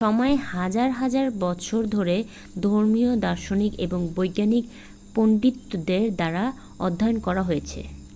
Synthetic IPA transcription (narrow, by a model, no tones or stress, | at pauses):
ʃɔmɔehad͡ʑaɾɦad͡ʑaɾbɔt͡ɕʰoɾd̪ʱoɾe | d̪ʱoɾmiod̪aɾʃonikḛboŋbojɡːanik̚ | poɳɖit̪ːod̪eɾd̪aɾa | ɔ̰d̪ʱːajonkɔɾaɦojet͡ɕʰḛ